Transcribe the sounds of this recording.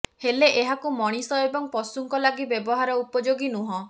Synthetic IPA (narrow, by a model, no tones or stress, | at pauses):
heleʔeɦakumɔɽ̃isɔebɔŋpɔsuŋkɔlaɡibjebɔɦaɾɔupɔd͡ʒoɡinuɦɔ̃